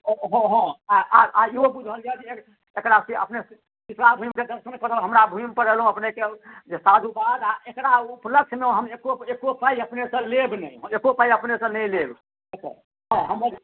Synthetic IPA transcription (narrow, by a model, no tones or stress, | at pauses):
ɦɔ̃ɦɔ̃aaaiɦobud͡ʒʱəld͡ʒajd͡ʒee | ekɾasiə̰pnes | kisɾabʱuimked̪əɾsənkəɾəlɦəmɾabʱumpəɾəlɦũəpneked͡ʒesad̪ʱubad̪aekɾaupləkʃʰmeoɦəmekoekopaiəpnesə̃lebnəjɦekopaiəpnesə̃nəjleb | ekə̰ | ɦɔ̃ɦəməɾ